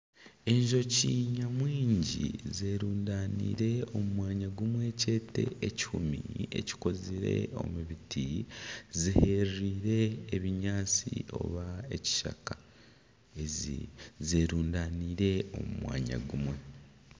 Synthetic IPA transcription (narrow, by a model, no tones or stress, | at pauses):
e̞ɲʒo̞ciːɲamwiːɲɟḭzeːɾuːndaːnḭːɾe̞o̞mumwaːɲaɡumwe̞ːce̞ːte̞̰eci̥humḭe̞̰ci̥ko̞ziɾe̞̰o̞̰muβitʰizihe̞ɾiːɾe̞ːβiɲaːt͡sḭo̞̰βae̞ci̥ʃa̰kḁ | e | zeːɾuːndaːniːɾe̞o̞̰mumwa̰ːɲa̰ɡumwe̞